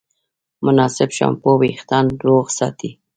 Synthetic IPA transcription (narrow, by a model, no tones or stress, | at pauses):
mʊnɑsɪbʃɑ̰mpowixt̪ɑnd̪woɣsɑ̰t̪ʰi